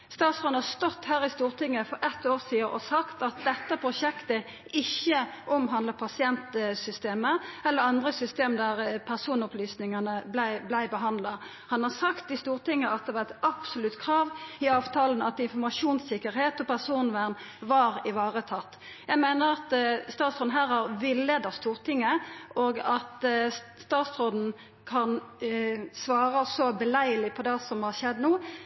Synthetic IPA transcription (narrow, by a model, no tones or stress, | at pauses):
st̪ɑːt̪sʁɔnhɑst̪ɔt̪ːhæːɾɪst̪uːʁt̪ɪŋːəfɔɾɛt̪ːoːʁsiːəʔɔsɑkt̪ɑt̪̚d̪ɛt̪ːəpʰʁʊʂɛkt̪ə | ɪçːəʔɔmɦɑnd̪ləpʰɑsɪɛnt̪sʏst̪eːməɛlːəɾɑnd̪ʁəsʏst̪eːmd̪æʁpʰæʁsuːnʊplyːsnɪŋɑnəblæɪblæɪbəɦɑnd̪lɑ | hɑnhɑʁsɑkt̪ɪst̪uːʁt̪ɪŋːəɑt̪̚d̪ɛʋɑʁɛt̪ɑpsʊlʉt̪kʰɾɑːʋɪɑːʋt̪ʰɑːlənɑt̪ɪnfɔʁmɑʂuːnsɪkːəɾheːt̪ʰɔpæʁsuːnʋæʁn | ʋɑʁɪʋɑːʁət̪ʰɑt̪ː | jæɪmæɪnəɾɑt̪st̪ɑːt̪sʁoːd̪n̩ɦæːɾhɑʁʋɪlːeːd̪ɑst̪uːʁt̪ɪŋːəʔoːɡɑt̪st̪ɑːt̪sʁoːd̪n̩ | kʰɑn | sʋɑːʁɑsɔbəlæɪəlɪpʰɔd̪ɛsɔmhɑʃɛd̪ːnuː